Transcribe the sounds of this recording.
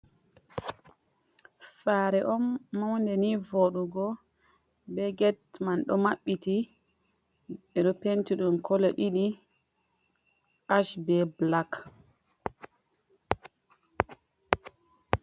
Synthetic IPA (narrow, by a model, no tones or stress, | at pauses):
faːɾɛʔɔmːawndɛnivoɗuɡɔ | bɛɡɛtmanɗɔmaɓːiti | ɛɗɔpentiɗumkʰɔlaɗiɗi | ʔaʃbɛblak